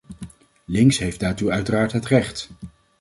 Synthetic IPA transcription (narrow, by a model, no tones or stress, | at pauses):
lɪŋksɦejfdaːɹtuœɥtəraːɹtɦətrɛχt